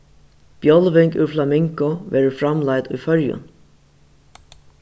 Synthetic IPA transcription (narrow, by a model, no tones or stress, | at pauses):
b̥jɔlʋɪŋkʊɾflamɪŋkʊʋɛːɾʊfɾamlajt̪ṵjfœɹjʊ̰n